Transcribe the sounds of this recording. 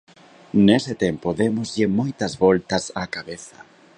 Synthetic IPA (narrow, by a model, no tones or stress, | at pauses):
nesɪt̪empoðemʊzʎɪmojt̪ɐzβɔlt̪ɐsakaβeθɐ